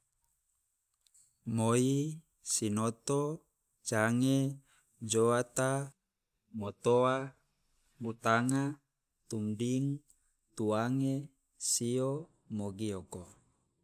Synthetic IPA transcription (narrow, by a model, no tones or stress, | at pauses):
moi | sinot̪o | t͡ʃaŋe | d͡ʒoat̪a | mot̪oa | but̪aŋa | t̪umdiŋ | t̪uaŋe | sio | moɡioko